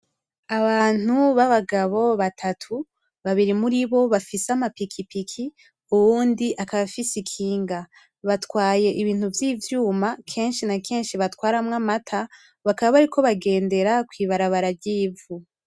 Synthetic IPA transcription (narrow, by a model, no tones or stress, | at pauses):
aβaːn̥uβaβaɡaβo̞βatʰatʰu | βaβiɾimuɾiβo̞βafiseamapikʰipikʰi | uβuːndiʔakaβafisikʰiːŋɡa | βatwaːje̞ʔiβiːn̥huvjiːvjuːmakʰe̞ːnʃinakʰe̞ːnʃiβatwaːɾamŋamatʰa | βakaβaβaɾiko̞βaɡe̞ːnde̞ɾakwiːβaɾaβaɾabɟiːvu